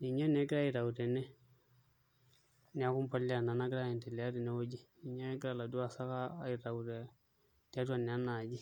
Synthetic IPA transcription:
i˨ɲa˦nɛ˨˦ɡɾa˦i˨ɾa˨wu˨ɾɛ˨nɛ˦ | n˨a˨˦kʊ˦mpa˦li˦a˨na˨na˦ɡɾa˦ɛ˨ntɛ˨lɛ˨a˦ɾɪ˨nɛ˦wo˦d͡ʒi˦i˨ɲa˦ɡɾa˦˨la˨du˦a˨sa˦kaː˦˨i˨ɾa˨u˨ɾɛ˨ | ta˦tu˦a˨n˨a˦na˨d͡ʒi˦

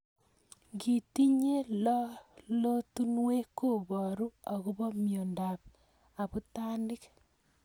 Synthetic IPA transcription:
ɡi˨ti˦ɲe˦l | lo˦tu˦nwe˦ko˦˨βɔ˨ɾu˦a˨ɣu˦βɔ˦mjo˨nda˨p | a˨bu˦ta˦ndɪ˦k

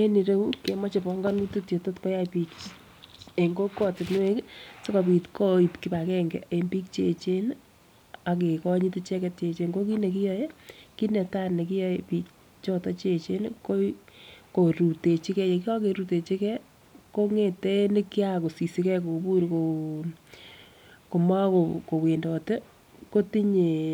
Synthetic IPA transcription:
e˦ni˨ɾe˦u˦ke˨mɔ˦t͡ʃepɔ˨ŋɡa˦nu˦tu˦tje˨to˦tko˦ja˦pi˨k | e˨ŋɡo˦kɔ˦tɪ˨tn˦we˦kse˦kɔ˨pi˨tko˦i˨pki˦pa˨kɛ˦ŋɡɛ̰˨e˨mbi˦kt͡ʃe˨t͡ʃe˦n | a˨ke˨kɔ˦ɲi˦ti˦t͡ʃɛ˦kɛ˦t̚t͡ʃe˨t͡ʃe˨ŋɡo˦ki˦ne˨ki˦jɔ˦je˦ki˦nɛ˨ta˦ne˨ki˦jɔ˨jepiː˦k̚ | t͡ʃɔ˦tɔ˦t͡ʃe˨t͡ʃe˦nko˦ko˨ɾu˨te˨t͡ʃi˦kɛ˦je˨ki˦a˦ke˨ɾu˨te˨t͡ʃi˦kɛ˦ | ko˦ŋe˨te˦ne˦ki˦a˦ko˨si˨si˦kɛ˦ko˨bu˦ɾko˨ | ko˨ma˦ko˨ko˨we˨ndɔ˨te˦ | ko˦ti˦ɲe˨

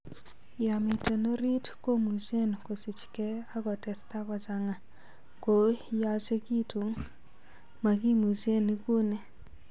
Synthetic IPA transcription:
ja˨mi˨te˨no˦ɾi˦tko˦mu˨se˦n˨ko˨si˨t͡ʃkɛ˦a˦kɔ˨tɛ˨st̪a˦kɔ˨t͡ʃa˨ŋa˨ | ko˨ja˦t͡ʃe˦ki˦tu˨ŋ | ma˨ki˦mu˨se˦˨ni˦ku˦ne˦

